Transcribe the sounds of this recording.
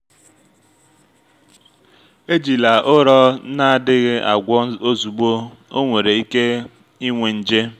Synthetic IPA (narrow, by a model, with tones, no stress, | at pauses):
e˦d͡ʒi˨la˨ʔʊ˦ɾɔ˦na˦˨dɪ˦ɣɪ˦ʔa˨ɡʷɔ˦o˦zu˨ɡ͡bo˦o˦ŋʷe˨ɾe˨i˦ke˦ | i˦ŋʷe˨n̩˨d͡ʒe˦